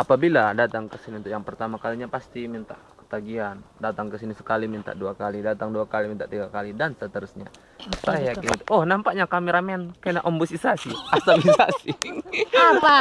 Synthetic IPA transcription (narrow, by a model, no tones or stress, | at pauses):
ʔapabiladat̪aŋkəsiniunt̪ʊʔjaŋpərt̪amakaliɲapast̪imint̪a̰ | kə̥t̪aɡiandat̪aŋkəsinisə̥kalimint̪a̰ʔduakalidat̪aŋduakalimint̪aʔt̪iɡakalidansət̪əɾusɲa̰ | sajakint̪uʔɔhnampaʔɲakamiɾamɛnkanaʔɔmbusisasiast̪abisa̰siapa